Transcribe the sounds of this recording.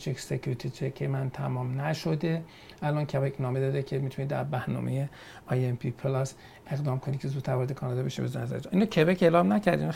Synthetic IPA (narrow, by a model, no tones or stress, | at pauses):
t͡ʃʰeksecʰuɾit̪ʰit͡ʃʰekʰːemænt̪ʰæmɒːmnæʃod̪e̞ | ʔælɒːncʰebecʰnɒːme̞d̪ɒːd̪ecʰemit̪ʰunid̪æ̰ɾbæɾnɒ̰ːmeje | ɒːjempʰipʰlɒs | eɣd̪ɒːmkʰonikʰezuːt̪ʰːæɾvɒɾed̪ekʰɒːnɒd̪ɒːbeʃḭbeznæzæ̰ɾed͡ʒnʔinɒːcʰebekeːlɒːmnæcʰæɾd̪ḭn